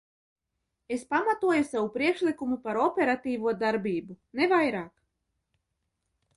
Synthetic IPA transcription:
espamat̪uɔjusavupɾiɛkʃlʲˠikumupaɾɔpʲeɾat̪iːvuɔd̪aɾbʲiːbunevajɾaːk

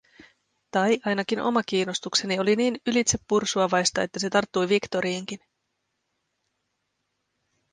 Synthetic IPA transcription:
t̪ɑjʔɑjnɑkinʔo̞̰mɑk̟iːno̞st̪ukse̞nio̞liniːnylit̪se̞pːursuɑʋɑjst̪ɑet̪ːæse̞t̪ɑrt̪ːujʋikt̪o̞ɾiːŋk̟in

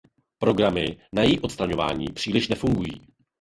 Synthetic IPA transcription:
pɾo̞ɡɾamɪnajɛjiːʔot̪st̪ɾaɲo̞va̰ːɲḭːpr̥iːlɪʃnɛfuŋɡujḭː

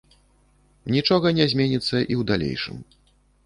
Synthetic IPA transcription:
nʲit͡ʂɔɣɐnʲɛzʲmʲenʲit̪sːɐʔiwd̪alʲḛjʂɨ̰m

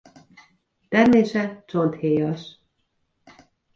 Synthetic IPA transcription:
t̪ɛrmeːʃɛt͡ʃo̞nt̪heːjɒʃ

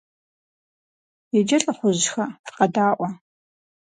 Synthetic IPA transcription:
jɛd͡ʒɐɬʼɨχʷʊʑxɐfqɐdaːʔʷɐ

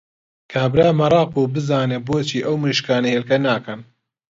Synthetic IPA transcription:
kʰaːbɾaːmɐɾˤɑːq̚uːbɨzaːneːboːt͡ʃʰiːʔɐwmɨʃkaːneɦeːlkɐnaːkɐn

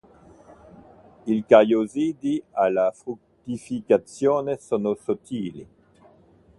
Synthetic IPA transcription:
ilkajozid̪ialafʁuk̚t̪ifikat̪t͡sjonesonosot̪iːlḭ

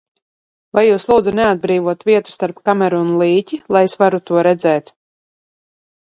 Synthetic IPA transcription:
vajːuːslˠuːd̪zunɛad̪̚bɾiːvuɔt̪vʲiɛt̪u̥st̪aɾpkamɛɾuːnlˠiːcilˠajesvaɾut̪uɔɾɛd̪zɛːt̪

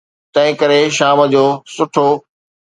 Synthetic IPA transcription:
t̪ɐ̃ɦɪ̃kəɾeʃaːmə̆d͡ʑoːsʊʈʰoː

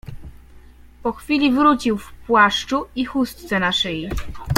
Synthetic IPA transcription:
pɔxfʲilʲivɾut͡ɕiwfpwaʂt͡ʂuixust̪t̪sɛnaʂɘji

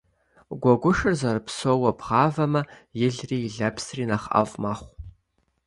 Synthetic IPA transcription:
ɡʷɔɡʷʊʂɨrzɐrpʰsowɐbʁɑːvɐmɐjɪɮriːɮɐpʰsriːnaχa̰vʼmaχʷ

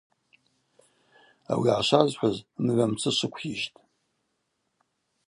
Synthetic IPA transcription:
a̰wiʕaʃʷazħʷazmʕʷamt͡sʰɨʂʷɨkʷʰiʒtʼ

